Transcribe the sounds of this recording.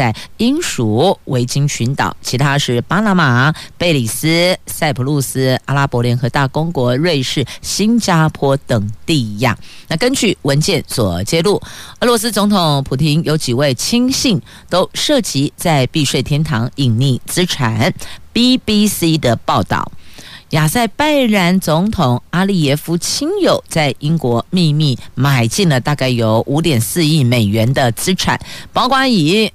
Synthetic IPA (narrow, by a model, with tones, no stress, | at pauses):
a˥˩ɪi˥nʂu˨˩we˧˥ɪt͡ɕi˥ŋɕy˧˥nt̪ɑ̰˨˩ʊt͡ɕʰi˧˥t̪ʰa˥ʂɻ̩˥˩pa˥na˧˥ma˨˩pe˥˩ɪli˨˩sɹ̩˥sa˥˩ɪpʰu˧˥lu˥˩s̩˥a˧˥la˥pwɔ˧˥ljɛ˧˥nxɤ˧˥t̪a˥˩kʊ˥ŋkwɔ˧˥ɻwe˥˧ɪʂɻ̩˥˩ɕi˥nt͡ɕja˥pʰwɔ˥t̪ə˨˩ŋt̪i˥˧˦jɑ̰˥˩ŋna˥˩kə˥nt͡ɕy˥˩wə˧˥nt͡ɕjɛ˥˩nswɔ˨˩t͡ɕjɛ˥lu˥˩əɤ˧˥lwɔ˧˥s̬ɹ̩˥t͡sʊ˧˥ŋt̪ʰʊ˨˥˦ŋpʰu˨˩t̪ʰi˧˥ŋjo˧˥ʊt͡ɕi˨˩we˥˩ɪt͡ɕʰi˥ŋɕi˥˩ŋ | t̪o˥ʊʂɤ˥˩t͡ɕi˧˥t͡sa˥˧ɪpi˥˧ʂwe˥˩ɪt̪ʰjɛ˥nt̪ʰɑ˧˥ŋi˨˩ŋni˥˩t͡sɹ̩˥ʈ͡ʂʰa˨˩˦npi˥pi˥si˥d̪ə˨pɑ˥˧ʊt̪ɑ̰˥˩ʊja˨˩sa˥˩ɪpa˥ɪɻa˧˥nt͡sʊ˧˥ŋt̪ʰʊ˨˩ŋa˥li˥˩jɛ˥˩fu˥t͡ɕʰi˥ŋjo˨˩ʊt͡sa˥˩ɪʔi˥ŋkwɔ˧˥mi˥˧mi˥˩ma˨˩ɪt͡ɕi˥˩ŋlə˩t̪a˥˧ka˥˩ɪjo˧˥ʊʔu˧˥t̪jɛ˨˩nsɹ̩˥˧i˥˩me˨˩ɪɥɛ˧˦˥nd̪ə˧t͡sɹ̩˥ʈ͡ʂʰa̰˨˩˦npɑ˥ʊkwa˥i˨˩˦